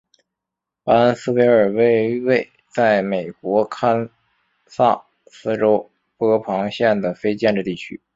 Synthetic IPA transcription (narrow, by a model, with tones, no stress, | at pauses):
pa˥n˥sɹ̩˥pe˧˥ɪə˞˨˩we˥˧ɪwe˥˩ɪ | t͡sa˥˩ɪme˨˩ɪkwɔ˧˥kʰa˥n | sa˥˩ | sɹ̩˥ʈ͡ʂo˥ʊ | pɤ˥˧˥pʰɑ˧˥ŋɕjɛ˥˩nd̪ə˩fe˥ɪt͡ɕjɛ˥˧nʈ͡ʂ̩˥˧t̪i˥˩t͡ɕʰy̰˥